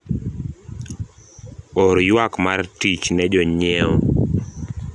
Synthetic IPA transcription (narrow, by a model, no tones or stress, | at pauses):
ɔɾjwakmartit͡ʃnɛd͡ʒɔɲɛɔ̰